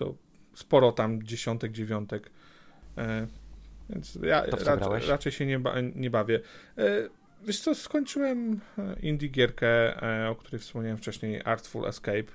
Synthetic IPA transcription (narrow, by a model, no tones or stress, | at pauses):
t̪ɔ̰ | spɔɾɔt̪amd͡ʑeɕɔnt̪ɛɡd͡ʑevʲjɔnt̪ɛk | vʲjɛ̰nt̪sja̰ɾaɾat͡ʂɛjɕɛɲɛba̰ɲɛbavʲɛ | vʲjɛʂt̪ɔskɔɲt͡ʂɘwɛmind̪ʲiɡʲjɛɾkɛɔkt̪uɾɛjfspɔmɲawɛmft͡ʂɛɕɲeja̰ɾt̪fṵlʔɛ̰skɛjp